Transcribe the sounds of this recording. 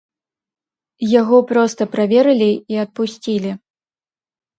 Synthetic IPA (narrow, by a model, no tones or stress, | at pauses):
jaɣɔpɾɔst̪ɐpɾavʲɛɾɨlʲiiɐt̪̚pusʲt͡sʲilʲi